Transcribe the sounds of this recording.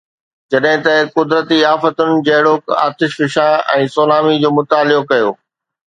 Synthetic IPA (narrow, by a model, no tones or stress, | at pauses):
d͡ʑɐɗɦɪ̃t̪ɐkʊd̪ɾət̪iaːfət̪ʊnɪ̆d͡ʑɐɦɪɽoːka̰ːt̪ɪʃfɪʃãɛ̃ːsoːlaːmid͡ʑoːmʊt̪aːlɪokɐjo̰ː